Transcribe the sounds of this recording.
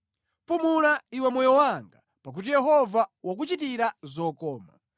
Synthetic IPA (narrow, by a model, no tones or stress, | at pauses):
pumunaiwɛmɔjɔwaŋɡa | pak̬ut̬ijɛɦɔvawak̬ut͡ʃitiɾazɔkɔːma̰